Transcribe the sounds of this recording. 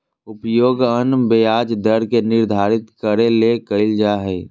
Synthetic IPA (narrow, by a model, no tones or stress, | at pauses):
ʊpjoːɡənbejaːd͡ʒd̪əɾkenɪɾd̪ʱaːɾɪt̪kəɾelekəld͡ʒaːɦɛː